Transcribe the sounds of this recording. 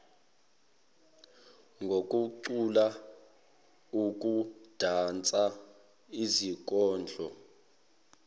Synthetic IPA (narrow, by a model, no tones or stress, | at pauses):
ŋɡʱokʼuǀula | ukʼud̥ʱant͡sʼa | izik̬ʼɔːnd͡ɮʱɔ